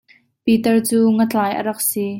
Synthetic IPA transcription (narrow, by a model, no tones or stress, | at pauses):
pit̪ɛrt͡suːŋət͡ɬaːjʔə̰ɾɐk̚si